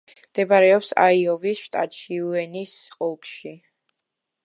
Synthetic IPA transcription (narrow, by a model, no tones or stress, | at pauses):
md̪̥ɛbaɾɛɔpsa̰iɔvisʃt̪ʼat̪ʃiuɛnisqʼɔlˠkʃi